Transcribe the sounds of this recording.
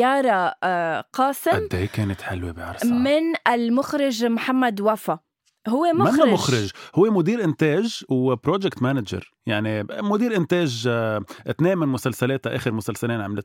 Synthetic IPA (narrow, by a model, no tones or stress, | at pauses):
ɑːɾˤɑ | qɑːsɪʔad̪ːejkeːnɪt̪ħa̰lwibiʕɑ̰ɾˤsmɪnʔɪlmʊxɾɪʒmħamːad̪wafa | ɦʊwːemʊmanːamʊxɾɪʒhʊwːemʊd̪iːɾʔɪnt̪eːʒwpɾoːd͡ʒɛkt̪manad͡ʒɑ̰ɾˤ | jaʕnimʊd̪iːɾʔɪnt̪eːʒʔɪt̪neːnmɪnmʊsalsaleːt̪aʔḛːxɪɾmʊsalsaleːnʕamlɪt̪